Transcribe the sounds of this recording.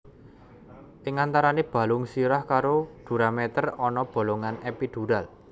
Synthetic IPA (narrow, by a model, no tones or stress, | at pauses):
ʔɪŋant̪aɾaneb̥ä̤lʊŋsiɾahkaɾoɖ̪̥ṳɾamɛt̪ərɔnɔb̥o̤loŋanɛpid̪̥ṳɾal